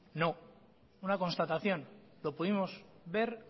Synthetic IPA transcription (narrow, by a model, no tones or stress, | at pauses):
no̞ | unako̞nst̪at̪aθjõ̞nlo̞puðimo̞zβe̞ɾ